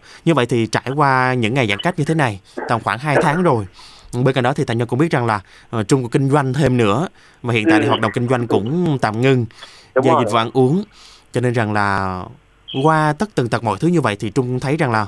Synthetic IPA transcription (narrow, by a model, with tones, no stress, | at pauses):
ɲɨ˧və̰˧˨jt̪ʰi˨˩t͡ɕaː˧˩jkwaː˧ɲɨ̰˧˥ŋːa˨˩jzaː˧˩ŋka˦˥t̚ɲɨ˧t̪ʰe˨˦na˨˩jt̪aː˨˩ŋ͡mxwaː˧˩ŋɦaː˧jt̪ʰaː˨˦ŋzo˨˩jɓe˧nka˨˩jɗɔ˨˦t̪i˨t̪a˨˩ŋ̟va˧kʊ̰˧˥ŋ͡mɓi˦˥t̚za˨˩ŋlaː˨˩˨ | t͡ɕʊ˧ŋ͡mku˧˩əkï˧ŋ̟zwa˧jŋ̟t̪ʰe˧mnɨ̰˧˥ə | va˨˩hḭ˧˨nt̪a̰ː˧˨˧waː˨˩ɗə˨˩ŋ͡mkï˧ŋ̟zwa˧jŋ̟kʊ̰˧˥ŋ͡mt̪a̰ː˧˨mŋɨ˧ŋ | zaː˧ji˨˩v̰ʔa˧nʔu˨˦əŋ | t͡ɕɔ˧ne˧nza˨˩ŋlaː˨˩ | kwaː˧t̪ə˦˥t̪ɨ˨˩ŋt̪ə˨˩mɔ̰˧˨jt̪ʰɨ˨˦ɲɨ˧və̰˧˨jt̪ʰi˨˩t͡ɕʊ˧ŋ͡mt̪ʰə˨˦jza˨˩ŋlaː˨˩